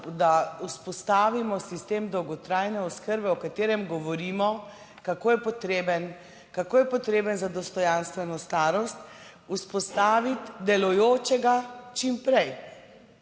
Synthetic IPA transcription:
d̪auspɔst̪aːʋimɔsist̪eːmd̪ɔwɡɔt̪ɾajnɛuskəɾbɛɔkat̪eːɾɛmɡɔʋɔɾiːmɔ | kakoːjɛpɔt̪ɾebən | kakoːjɛpɔt̪ɾeːbənzad̪ɔst̪ɔjanst̪ʋɛnɔst̪aːɾɔst̪ | uspɔst̪aːʋit̪d̪ɛlɔjoːt͡ʃɛɡat͡ʃimpɾɛj

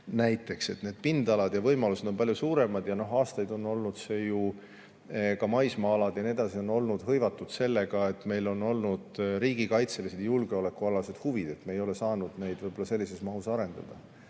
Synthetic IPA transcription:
næjt̪ːˑe̞kse̞t̪ne̞ːd̪̥̚pind̪̥ɑlɑd̪̥jɑvɤjmɑlused̪o̞mpɑljusuːɾe̞mɑd̪̥jɑno̞ɦɑːst̪ɑjd̪o̞nːo̞lnud̪̥se̞ːju | kɑmɑjsmɑːlɑd̪̥jɑnie̞d̪̥ɑsio̞no̞lnud̪̥ɦɤjvɑt̪ːˑud̪̥se̞lːe̞ɡɑe̞t̪ˑme̞jlo̞no̞lnud̪̥ɾiːɡ̥ikɑjt̪se̞lise̞d̪̥julɡe̞o̞le̞kːuɑlɑse̞d̪̥huvid̪̥e̞t̪mejo̞le̞sɑːnud̪̥ne̞jd̪vɤjbo̞lːɑse̞lːise̞smɑɦusɑɾe̞nd̪̥ɑ̰d̪̥ɑ

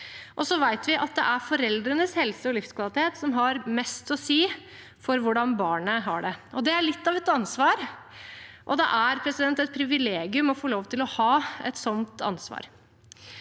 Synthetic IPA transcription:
ʔɔsɔʋæɪt̪ʋɪʔɑt̪̚d̪ɛ̰ʔæɾfɔɾɛld̪ɾənəshɛlsəɔlɪfskʰʋɑlɪt̪ɪeːt̪sɔmɦɑɾmɛst̪ɔsiː | fɔɾʋʊɖɑnbɑːɳəɦɑɖɛɔd̪ɛæɭɪt̪ːɑʋɛt̪ɑnsʋɑːɾ | ʔɔd̪ɛ̰ʔæɾpʰɾɛsɪd̪ɛnt̪ɛt̪̚pʰɾɪʋɪleːɡɪʉmɔfoːloːʋt̪ʰɪlɔhɑːɛ̰t̪sɔnt̪ɑ̰nsʋɑ̰ːɾ

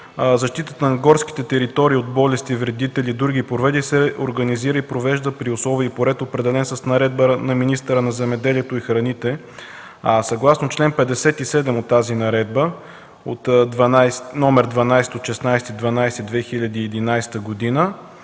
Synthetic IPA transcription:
zɐʃt̪it̪ət̪ənɐɡɔɾsk̟i̥t̪ɛt̪ɛɾit̪ɔɾiːod̪̚bɔlɛst̪ivɾɛd̪it̪ɛlid̪ɾuɡipɾovɛd̪isɛoɾɡəniziɾəipɾovɛʒd̪əpɾioslˠɔviəpoɾɛt̪opɾɛd̪ɛlɛnsəsnɐɾɛd̪bənɐminist̪əɾənɐzɛmɛd̪ɛliɛt̪oixɾɐnit̪ɛ | sɐɡlˠasnot͡ʃlɛnpɛd̪ɛsɛt̪isɛd̪ɛmot̪ːazinɐɾɛd̪bə | ot̪d̪vɐnajsnɔmɛɾd̪vɐnajsɛ̥t̪ot̪ʃɛsnajsɛt̪id̪vɐnajst̪id̪vɛxiʎʲɐd̪iːɛd̪inajst̪əɡod̪inə

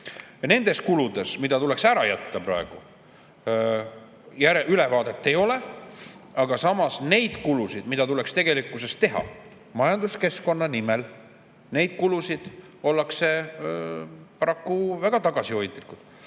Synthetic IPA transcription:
ne̞nd̪̥e̞skulud̪̥e̞smid̪̥ɑt̪ule̞ksæɾɑjæt̪ːɑpɾɑe̞ɡ̥u | jæɾeʔylevɑːd̪e̞t̪ːe̞jo̞le | ɑɡ̥ɑsɑmɑsne̞jd̪̥kulusid̪̥mid̪̥ɑt̪ule̞kst̪e̞ɡe̞likːˑuse̞st̪ːe̞ɦɑ̰ | mɑjɑnd̪uske̞sko̞nːɑnime̞l | ne̞jd̪̥̚kulusid̪̥ | o̞lːɑkse̞ | pɑɾɑkːuvæɡ̥ɑt̪ɑɡ̥ɑsio̞jt̪ˑlikːut̪

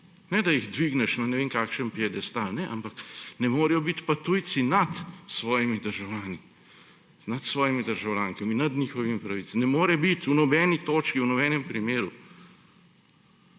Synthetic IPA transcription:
nɛd̪ɐjiɣd̪ʋiɡnɛʃnanɛʋeːŋkaːkʃɛmpjɛd̪ɛst̪alnɛʔa̰mpaknɛmoːɾɛjɔbit̪pat̪uj̪sinat̪sʋɔːjimid̪əɾʒawlʲaːni | nat̪sʋɔːjimid̪əɾʒawlʲaːŋkɔminnːɐd̪nixɔʋimipɾaʋitt͡ssnɛmoːɾɛbit̪unɔbɛːnit̪oːt͡ʃkiwnɔbɛːnɛmpɾimeːɾṵ

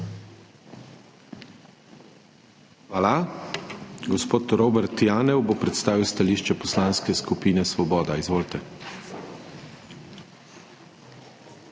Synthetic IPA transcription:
xʋaːla | ɡɔspoːt̪ɾoːbɛɾt̪jaːnɛwbopɾɛt̪st̪aːʋiwst̪aliːʃt͡ʃɛpɔslanskɛskupiːnɛsʋɔbɔːd̪aizʋoːlt̪ɛ

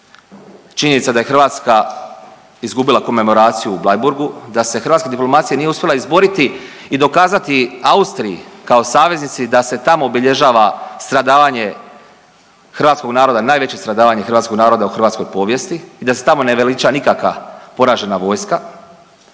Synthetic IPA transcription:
t͡ʃiɲenit̪sad̪aje̞xr̩ʋaːt̪ska | izɡubilˠako̞me̞mo̞ɾaːt̪sijuːblajbuɾɡud̪ase̞xɾ̩ʋaːt̪ked̪iplo̞mat̪sijanijeuspʲje̞lˠaizbo̞ɾit̪i | id̪o̞kaːzat̪iaust̪ɾijikaosaːʋe̞znit̪sid̪ase̞t̪amo̞ːbiʎeʒaːʋast̪ɾad̪aːʋaɲe̞ | xɾʋaːt̪sko̞ɡnaːɾo̞d̪anaːjʋe̞t͡ɕe̞st̪ɾad̪aːʋaɲexɾʋat̪sko̞ɡnaːɾo̞d̪auxɾʋaːt̪sko̞jpo̞ːʋje̞st̪iːd̪ase̞̥t̪amo̞ne̞ʋelit͡ʃanikakʋapo̞ɾaːʒe̞naʋo̞ːjska

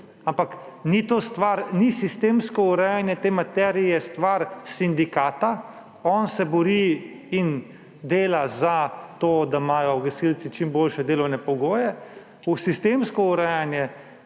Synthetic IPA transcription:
ampaknit̪ost̪ʋaɾnisist̪eːmskɔuɾɛjanjɛt̪eːmat̪ɛːɾijɛst̪ʋaɾsind̪ikaːt̪a | ɔnsɛbɔɾi | in | d̪eːlazat̪oːd̪amaːjɔɡɐsilt͡s̪it͡ʃimboːlʃɛd̪eːlɔwnɛpɔɡoːjɛ | usist̪eːmskɔuɾɛːjanjɛ

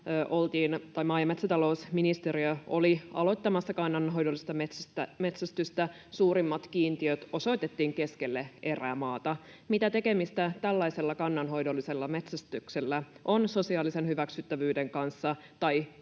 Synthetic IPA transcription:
øːʔo̞lt̪iːnt̪ɑjmɑːjɑme̞t̪sæt̪ɑlo̞usminist̪eɾiøoliɑ̰lo̞jt̪ːɑmɑsːɑkɑnːɑnɦo̞jdolːˑist̪ɑmet̪sæst̪æme̞t̪sæst̪yst̪æ | suːɾimːɑt̪kiːnt̪iøt̪o̞so̞jt̪e̞t̪ːiːŋke̞skelːee̞ræmɑːt̪ɑmit̪æt̪e̞ke̞mist̪æt̪ælːɑijse̞lːɑkɑnːɑnɦo̞jdolːise̞lːɑme̞t̪sæst̪ykselːæʔo̞nso̞siɑːlise̞nhyʋæksyt̪ːæʋyːde̞ŋkɑnsːɑ | t̪ɑj

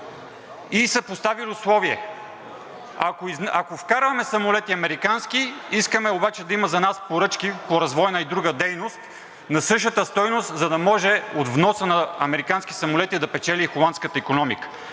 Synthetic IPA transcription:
isəpost̪avilʲiʊslˠɔviɛ̰ | akoiznɐkofkaɾvɐmɛsɐmolɛt̪iɐmɛɾikanskiiskəmɛobat͡ʃɛd̪ɐimɐzɐnaspoɾɤt͡ʃk̟ipoɾɐzvɔjnɐid̪ɾuɡəd̪ɛjnost̪ | nɐsɤʃ̬ət̪əst̪ɔjnost̪zɐd̪ɐmɔʒɛod̪vnɔsənɐɐmɛɾikanskʲi̥sɐmolɛt̪id̪ɐpɛt͡ʃɛlʲixolˠant̪skət̪əikonɔmḭkə̥

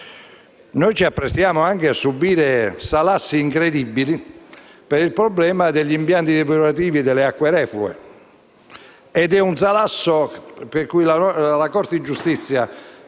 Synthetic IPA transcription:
nojt͡ʃiapːɾest̪jaːmoaŋkeasːubiːɾesalasːiːŋkɾed̪ibːilipɛɾilpɾɔblɛːmad̪eʎːimpjant̪id̪ɛp̬ioɾat̪̬iːvid̪ɛleakːweɾɛːflṵḛ | ɛd̪ɛuns̬alasːopeɾkujlalakɔɾt̪ɪd͡ʒːust̪it̪sːja

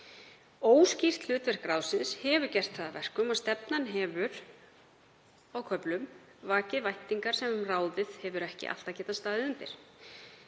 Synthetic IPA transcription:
oːwscir̥t̪l̥ʏːt̪vɛr̥kɾaːwsɪnshɛvʏɾcɛr̥t̪θaðavɛr̥kʏmast̪ɛpnanɦɛːvʏɾ | awkʰœplʏm | vaːcɪvajht̪iŋkaɾ̥sɛmraːwðɪðhɛvʏɾɛhcɪ̰ʔa̰l̥t̪acɛːt̪ast̪aːðɪʏnt̪ɪɾ̥

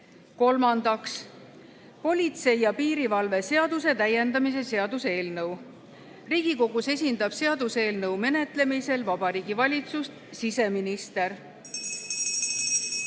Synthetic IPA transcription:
ko̞lmɑnd̪̥ɑks | po̞lʲit̪se̞jɑpiːɾivɑlve̞se̞ɑd̪̥use̞t̪æje̞nd̪ɑmis̬e̞se̞ɑd̪̥use̞ːlnɤw | riːɡ̥iko̞ɡ̥use̞sʲind̪̥ɑb̥se̞ɑd̪̥use̞ːlnɤwme̞ne̞t̪ˑle̞mise̞lvɑb̥ɑɾiːɡ̥ivɑlʲit̪sust̪sise̞minist̪e̞ɾ

